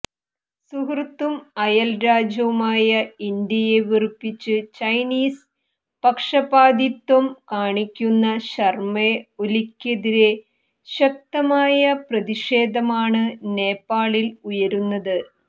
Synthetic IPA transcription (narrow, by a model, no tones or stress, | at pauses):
suɦrt̪ːumɐjɐlɾaːd͡ʑɐʋumaːjɐind̪jɐjeʋirpːit͡ɕːɨt͡ɕɐjniːs | pɐkʂɐbaːd̪it̪wɐmkaːɳikʲːunːɐɕɐrmeolikʲːeðiɾe̞ | ɕɐk̚t̪ɐmaːjɐprɐðiʂeːd̪ʱɐmaːɳɨne̞ːpːaːɭilujɐɾunːɐðɨ